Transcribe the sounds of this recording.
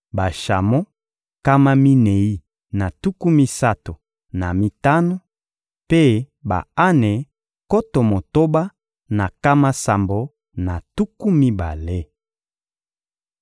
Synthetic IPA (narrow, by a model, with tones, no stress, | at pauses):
ba˨ʃa˨mo˦ | ka˦ma˦mi˦ne˨i˦ | na˨tu˦ku˦mi˦sa˦to˨ | na˨mi˦ta˦no˦ | pe˦ | ba̰˨a˦ne˨ | ko˦to˨mo˨to˦ba˦ | na˨ka˦ma˦sa˨mbo˨ | na˨tu˦ku˦mi˦ba˨le˦